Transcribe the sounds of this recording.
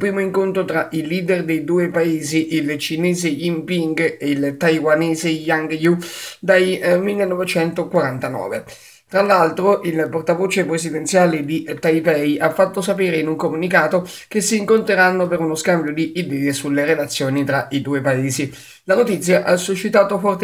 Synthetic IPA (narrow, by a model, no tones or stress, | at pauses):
upɾiːmoiŋkont̪ɾot̪ɾaʔiliːd̪erd̪ejd̪uːepaeːziʔilt͡ʃinɛːzeimpiŋɡeilt̪ajwanɛːzejaŋɡjud̪ajmilːenːɔvet͡ʃɛnt̪okwaɾant̪anɔ̰ːvḛ | t̪ɾalːalt̪ɾoʔilport̪avoːt͡ʃepɾezid̪ent̪sjaːled̪it̪ajpɛjʔafːat̪ːosapeːɾeinuŋkomunikaːt̪ok̟esːiːŋkont̪ɾeɾanːopeɾunoskambjod̪iːd̪ɛːesulːerelat̪sːjoːnit̪ɾaʔid̪uːepaeːzi | lanot̪it̪sːjaʔasːuʃːit̪aːt̪ofɔrt̪